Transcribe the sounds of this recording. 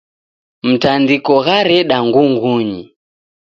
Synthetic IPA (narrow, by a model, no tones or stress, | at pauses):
m̩tandikɔɣaɾɛɗaŋɡuŋɡuɲḭ